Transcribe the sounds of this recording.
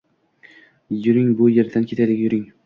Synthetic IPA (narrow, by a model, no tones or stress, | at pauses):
jʊɾɪŋbʊjeɾd̪ankʰʲet̪ʰad̪ɪkʲjʊɾɪŋ